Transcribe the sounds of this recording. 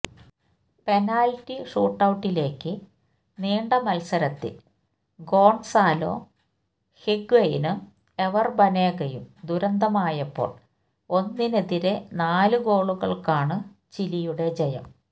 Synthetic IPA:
pe̞naːltːiʂuːʈːɐwuʈːile̞ːkːɨ | neːɳɖɐmɐlsɐɾɐt̪ːḭl | ɡo̞ːɳsaːlo̞̰ː | hiɡʋɐjinɨ | e̞ʋɐrbɐneːɣɐjumd̪uɾɐnd̪ʱɐmaːjɐpːo̞̰ːɭ | o̞nːine̞ðiɾe̞naːlɨɡo̞ːɭuɣɐɭkaːɳɨ | t͡ɕilijuɽe̞d͡ʑɐjɐ̰m

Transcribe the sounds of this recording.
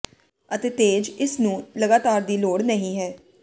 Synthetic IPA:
ət̪eːt̪eːd͡ʒɪsnũːləɡaːt̪aːɾd̪iːloːɽnəɦĩːɦɛː

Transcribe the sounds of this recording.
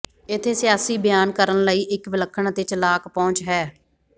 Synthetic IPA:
ɪt̪ʰːeːsɪjaːsiːbɪjaːnkəɾənləiːʔɪkʋɪləkʰːəɽɳ̃t̪ɪt͡ʃlaːkpɔ̃ːɲt͡ʃɦɛː

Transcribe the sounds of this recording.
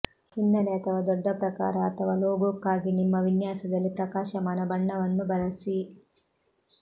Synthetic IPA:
inːɐnɛːt̪ɐʋɐd̪ɔɖːɐpɾɐkaːɾɐːt̪ɐʋɐloːɡoːkːaːɡinimːɐʋinjaːsɐd̪ɐlːipɾɐkaːʃɐmɐːnɐbɐɳːɐʋɐnːubɐlɐsi

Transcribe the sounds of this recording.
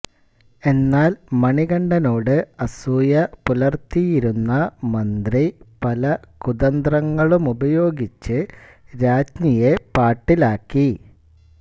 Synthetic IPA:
e̞nːaːlmɐɳiɡɐɳɖɐno̞ːɽɨɐsuːjɐpulɐrt̪ijiɾunːɐmɐnd̪ripɐlɐkuðɐnd̪rɐŋːɐɭumubɐjo̞ːɡit͡ɕːɨɾaːd͡ʑɲijepaːʈːilaːkːi

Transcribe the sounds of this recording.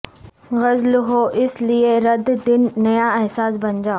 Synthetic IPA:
ɣɐzlɦoːʔɪslieɾɐd̪d̪ɪnːɐjaɛɦsaːs̬bɐɲd͡ʑaː

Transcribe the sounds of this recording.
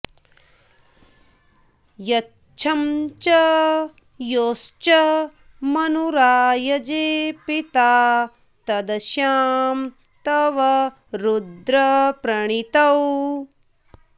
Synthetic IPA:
jɐ | t͡ʃʰɐmt͡ʃɐ | joːst͡ʃɐ | mɐnuɾaːjɐd͡ʒeːpit̪aː | t̪ɐd̪ɐʃjaːm | t̪ɐʋɐ | ɾud̪ɾɐpɾɐɳ̃it̪ɐw

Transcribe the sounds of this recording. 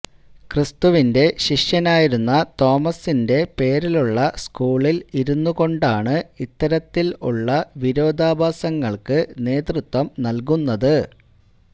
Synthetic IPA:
krɨst̪uʋinde̞ɕiʂjɐnaːjiɾunːɐt̪o̞ːmɐsinde̞pe̞ːɾiluɭːɐskuːɭiliɾunːuɣo̞ɳɖaːɳɨit̪ːɐɾɐt̪ːilṵɭːɐʋiɾo̞ːd̪ʱaːbʱaːsɐŋːɐɭkɨne̞ːt̪rut̪ʋɐmnɐlk̬unːɐðɨ

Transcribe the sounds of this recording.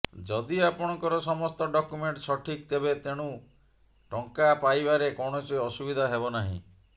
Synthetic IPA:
d͡ʒɔd̪iapɔɽ̃ɔŋkɔɾɔsɔmɔst̪ɔɖɔkumeɳʈsɔʈʰik̚t̪ebet̪eɽ̃ũ | ʈɔŋkapajbaɾekɔɽ̃ɔt͡ʃɔjɔsubid̪ʱaɦebɔnaɦḭ̃

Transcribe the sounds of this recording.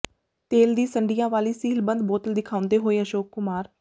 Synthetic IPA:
t̪eːld̪iːsəɳɖɪjãːʋaːliːsiːlbə̃nd̪boːt̪əld̪ɪkʰaːʊ̃nd̪eːɦoːeːəʃoːkːʊmaːɾ

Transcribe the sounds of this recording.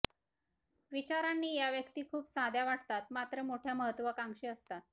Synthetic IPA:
ʋit͡ɕaɾanːiːjaʋjəkt̪iːkʰuːpsad̪ʱjaʋaʈt̪at̪mat̪ɾəmoʈʰjaməɦət̪ːʋəkaŋɡʂiːəst̪at̪̚

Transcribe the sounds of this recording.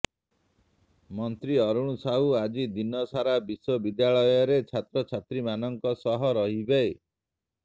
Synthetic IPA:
mɔnt̪ɾiɔɾuɽ̃usaɦuad͡ʒid̪inɔsaɾabiswɔbid̪jaɭɔjɔɾet͡ʃʰat̪ɾɔt͡ʃʰat̪ɾimanɔŋkɔsɔɦɔɾɔɦibej

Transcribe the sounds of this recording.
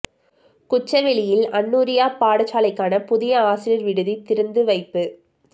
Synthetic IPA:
kʊt͡ʃːɐʋɛɭɪjɪlɐɳːuːɾɪjaːpaːɽɐt͡ʃːaːlɐɪkːaːnɐpʊðɪjɐaːsɪlɪɾʋɪɽɯðit̪ːɪɾɯnd̪ɯʋɐɪpːɯ

